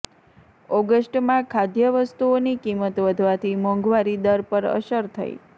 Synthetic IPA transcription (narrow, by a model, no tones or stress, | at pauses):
ɔɡəsʈmãkʰad̪ʱjəʋəst̪uonikimət̪ʋəd̪ʱʋat̪ʰimɔ̃ŋɡʋaɾid̪əɾpəɾə̰ʃəɾt̪ʰə̰jḭ